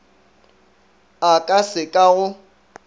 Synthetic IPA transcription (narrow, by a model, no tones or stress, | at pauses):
akʼasɪkʼaɣʊ